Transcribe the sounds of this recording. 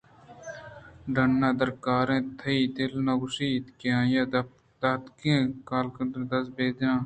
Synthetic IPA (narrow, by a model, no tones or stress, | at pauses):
ɖɐnːaːd̪ɐɾkaːɾẽːt̪ʰɐiːd̪elnɐɡʊʃiːt̪kãːjaː | d̪ɐt̪kẽːkaːlkɐnd̪d̪ɐsbeːd̪ãː